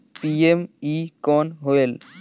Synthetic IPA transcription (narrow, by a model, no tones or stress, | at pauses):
piemikɔːnɦoel